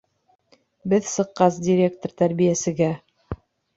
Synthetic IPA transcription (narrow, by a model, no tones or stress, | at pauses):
bɘðsɤ̆qːɑs̬dʲɪɾʲe̞kt̪ort̪æɾβijæsɘ̆ɡæ